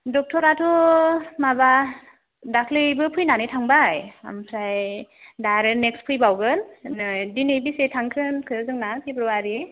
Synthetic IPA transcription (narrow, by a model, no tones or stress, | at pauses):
dɔk̚tʰɔɾatʰɔmaba | dakʰlɯjbɯpʰujnanɯjtʰaŋbaja̰mpʰɾajdaɾɯnek̚spʰɯjbawɡɯnɯdinejbisetʰaŋkʰɯnkʰɯzɯŋnakʰibɾɔwaɾi